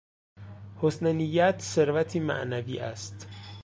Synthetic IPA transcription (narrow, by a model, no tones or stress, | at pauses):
hosnenijːæt̪ʰse̞ɾvæt̪ʰiːmæ̰ʔnæviːʔæ̰st̪